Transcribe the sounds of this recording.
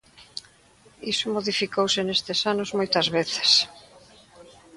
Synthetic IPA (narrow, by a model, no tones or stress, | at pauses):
isʊmoðifikowsɪnest̪ɪsanozmojt̪ɐzβeθe̥s